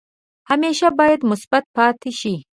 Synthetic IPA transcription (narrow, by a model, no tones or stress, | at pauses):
hameʃabɑːjad̪mʊsbat̪̚pɑːt̪ʰɪʃi